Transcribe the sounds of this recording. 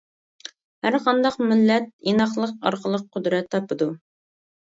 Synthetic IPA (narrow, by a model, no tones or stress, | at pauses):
hæɾqʰɑnd̪ɑqmɪlːɛt̪̚inɑχlˠəqɑ̰ɾqəlˠəq̚qʰːʊd̪ɾɛt̪ʰːɑpɨd̪u